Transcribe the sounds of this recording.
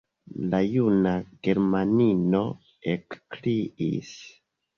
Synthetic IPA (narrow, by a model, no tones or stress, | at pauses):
lajunaɡe̞ɾmanino̞ | ekkliʔḭs